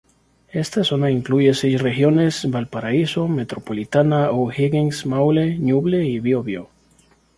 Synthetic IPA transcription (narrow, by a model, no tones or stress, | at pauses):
e̞st̪aso̞naiŋkluʝe̞sejsrexjo̞ne̞sbalpaɾaiso̞me̞t̪ɾopolit̪anaohiɣeŋsmawlenuβleiβjoβjo